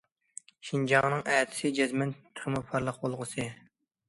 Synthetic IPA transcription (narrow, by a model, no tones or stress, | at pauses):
ʃind͡ʒɑŋnɨŋɛt̪ʰɪ̥sɪd͡ʒɛzmɛnt̪ʰːə̥χmupʰɑɾlˠəq̚bolˠʁəsɨ